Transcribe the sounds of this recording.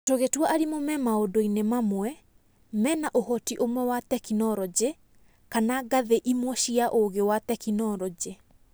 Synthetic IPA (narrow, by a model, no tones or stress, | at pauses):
toɣetwɔʔaɾimomɛmaodoinemamwɛ | mɛːnaʔohɔtiʔomwɛwatɛkinɔɾɔd͡ʑe | kanaɡaðeʔimwɔɕiaʔoɣewatɛkinɔɾɔd͡ʑe